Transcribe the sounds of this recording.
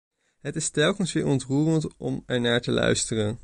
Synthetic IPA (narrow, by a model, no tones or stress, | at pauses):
ɦətɪstɛlˠkənsʋɪːɹɔntruːrəntɔmɛɹnaːɹtəlœ̰ɥstərən